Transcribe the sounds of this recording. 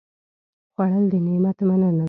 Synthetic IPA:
xwaɽəld̪ənemat̪manana

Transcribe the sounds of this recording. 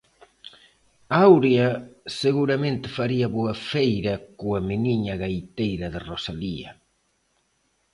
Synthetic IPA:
awɾjɐseɣuɾɐmẽnt̪ɪ̥faɾiɐβoɐfejɾɐkoamɪniɲɐɣajt̪ejɾɐðɪrosaliɐ̰

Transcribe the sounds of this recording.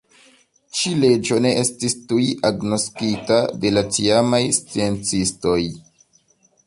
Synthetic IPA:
t͡ʃile̞d͡ʒo̞ne̞ʔe̞stistujʔaɡno̞skitade̞lat͡siamajst͡sie̞nt͡sisto̞j

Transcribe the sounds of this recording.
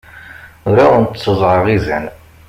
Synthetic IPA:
ʊɾawənt̪sːəzˤʕəʁizæn

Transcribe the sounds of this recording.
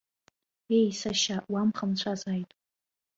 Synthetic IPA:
ejsaʃaʔwamχəmt͡ɕʷʰazajtʼ

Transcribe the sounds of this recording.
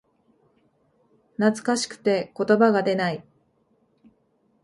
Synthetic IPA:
nat͡sɨ̥kaɕi̥kɯ̥t̪e̞ko̞t̪o̞baɡad̪e̞nai

